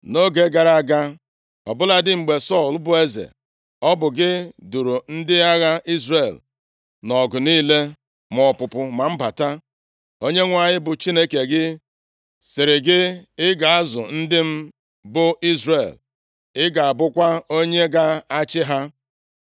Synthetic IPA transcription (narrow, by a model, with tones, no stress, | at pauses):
no˦ɡe˨ɡa˨ɾa˦˨ɡa˦ | ɔ̰˨bʊ˦la˦dɪ˦ŋ͡m̩˨ɡ͡be˨sɔ˦˨lbʊ˨e˦zḛ˨ | ɔ˦bʊ˨ɡɪ˦du˨ɾu˨n̩˦dɪ˦a˦ɣa˦i˦zre˨l | nɔ˨ɡʊ˨niː˦le˦ | mɔ˨pʊ˨pʊ˨ma˨m̩˦ba˨ta˦ | o˦ɲe˦ŋʷa˨ɲɪ˦bʊ˨t͡ʃi˦ne˦ke˨ɡɪ˦ | sɪ˨ɾɪ˨ɡɪ˦ɪ˦ɡa˨a˦zʊ̰˨n̩˦dɪ˦m̩˦ | bʊ˦i˦zre˨l | ɪ˦ɡa˨a˨bʊ˦kʷa˦o˦ɲe˦ɡa˦a˦t͡ʃɪ˦ɦa˦